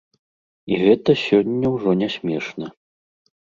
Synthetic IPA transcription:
iɣɛt̪ɐsʲɔnʲːɐwʐɔnʲɛsʲmʲɛʂnɐ

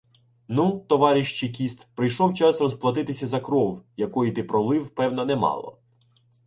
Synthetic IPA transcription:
nut̪ɔʋɑɾʲiʃt͡ʃik̬ʲist̪pɾɪjʃɔwt͡ʃɑsrɔzplˠɐt̪ɪt̪ɪsʲɐzɐkɾɔwjɐkɔjit̪ɪpɾɔlˠɪwpɛwnɐnɛmɑ̰lˠɔ̰

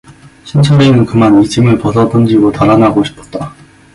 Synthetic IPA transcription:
ɕʰint͡ɕʰʌɾinɯnkɯmanid͡ʑimɯɭpʌsʰʌt͈ʌnd͡ʑiɡotaɾanaɡoɕʰi̥pʰʌ̥t̚t͈a

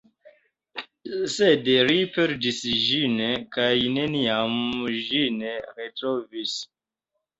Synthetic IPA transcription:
sedɾipeɾdisʒinekajneniamʒineɾetɾovis

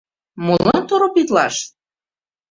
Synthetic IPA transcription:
molɑnt̪oɾopit̪lɑ̰ʃ

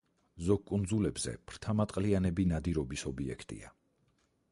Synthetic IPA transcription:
zɔɡ̚kʼund̪zulɛbz̥ɛ̰pʰɾ̥t̪ʰamat̪ʼqʼlianɛbinad̪iɾɔbisɔbiɛ̰kʰt̪ʼḭa̰

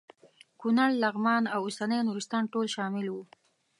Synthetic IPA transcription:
kunaɽlaɣmɑnawʊsanəjnuɾist̪ɑnʈolʃɑmɪlwu

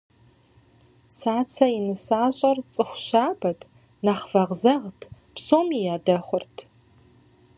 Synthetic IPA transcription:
saːt͡sʰɐinɨsaːɕʼɐrt͡sʼɨχʷɕaːbɐtʰ | naχv̥ɐʁzɐʁtʰpsoːmijaːdɐχʷʊrtʰ

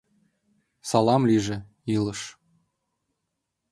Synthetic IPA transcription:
sɑlˠɑmlʲiʒɘ̆ | ilˠɤ̆ʃ

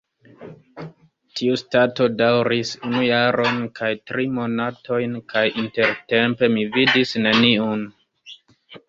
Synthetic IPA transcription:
tʰiustato̞dawɾisunujaɾo̞nkajtɾimo̞natʰo̞jnkajinte̞ɾte̞mpe̞mividisne̞niun

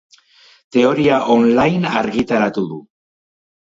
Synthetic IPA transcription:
t̪e̞o̞ɾiaʔo̞nlajnaɾɣit̪aɾat̪uðu

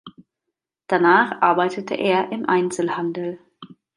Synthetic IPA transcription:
d̥anaːχʔaɐbaɪtətʰə̰ʔeːɐʔɪmʔaɪnt͡sl̩handl̩

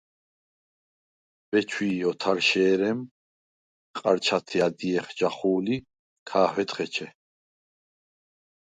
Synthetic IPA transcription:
b̥ɛt͡ʃʰwiːɔt̪ʰaɾʃɛːɾɛm | qʼaɾt͡ʃʰat̪ʰiad̪iɛχd͡ʒaχuːli | kʰaːɦwɛt̪χɛt͡ʃʰɛ

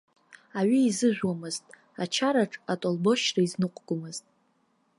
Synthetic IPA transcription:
aɥiːzɨʒʷᶣwamɨztʼ | at͡ʃʰaɾaʈ͡ʂʼatʼolbo̞ʃraiznɨqʷʼɡʷʊmɨz̥tʼ

